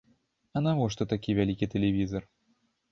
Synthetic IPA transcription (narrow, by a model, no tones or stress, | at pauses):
anavoʂt̪ot̪akʲivʲælʲikʲit̪ʲelʲevʲizɔr